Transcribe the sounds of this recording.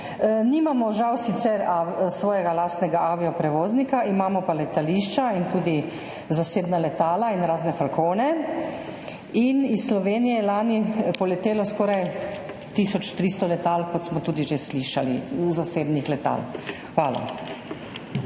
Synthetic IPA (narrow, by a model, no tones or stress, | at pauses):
niːmamɔʒawsit̪sɛɾasʋɔːjɛɡalaːst̪nɛɡaʔaːʋiɔpɾɛʋoːznikaʔimaːmɔpalɛt̪aliʃt͡ʃaint̪uːd̪i | zaseːbnalɛt̪aːlainɾaːznɛfalkoːnɛ | inisslɔʋeːnijɛɛlaːnipɔlɛt̪eːlɔskɔːɾaj | t̪isɔt͡ʃt̪ɾist̪ɔlɛt̪alkɔt̪smɔt̪uːd̪iʒesliːʃalḭzaseːbnixlɛt̪a̰lxʋaːla̰